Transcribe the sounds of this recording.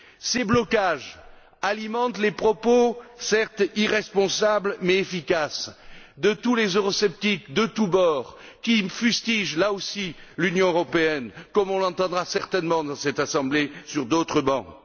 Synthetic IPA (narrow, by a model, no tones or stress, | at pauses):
seblɔkaʒ | alimɑ̃t̪lepχɔposɛʁt̪iʁɛspɔ̃sablmɛefikasd̪ət̪ulezøʁɔsɛp̚t̪ikd̪ət̪ubɔʁkʲifyst̪iʒlaosilynjɔ̃øʁɔpeɛnkɔmɔ̃lɑ̃t̪ɑ̃d̪ʁasɛʁt̪ɛnmɑ̃d̪ɑ̃sɛt̪asɑ̃blesyʁd̪ot̪χəbɑ̰̃